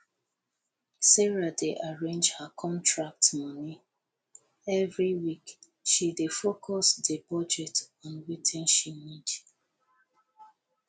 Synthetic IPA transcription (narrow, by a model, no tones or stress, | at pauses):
sɛɹadeʔaɹẽnd͡ʒhakʰɔ̃ntʰɹak̚tmɔni | ɛvɹiwik | ʃidefokʰɔsdəbɔd͡ʒɛtɔ̃nwitʰɛ̃nʃimid